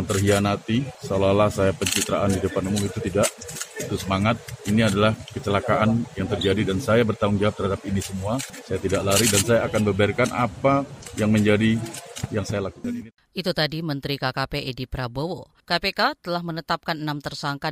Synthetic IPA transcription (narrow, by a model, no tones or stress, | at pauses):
ŋt̪ərɦianat̪isolalasajapəɲt͡ʃit̪ɾaʔandidəpanumʊmit̪ut̪idaʔit̪usəmaŋat̪̚iniadalahkət͡ʃəlakaʔanjaŋt̪ərd͡ʒadidansajabərt̪aʊŋd͡ʒawap̚t̪ərhadapinisəmuasajat̪idaʔlaɾidansajaːkanbəbarkanʔa̰pajaŋməɲd͡ʒadijaŋsajalakukanini | ʔit̪ut̪adimənt̪ɾikakapeʔedipɾabowo | kapekat̪əlahmənət̪ap̚kanənamt̪ərsaŋka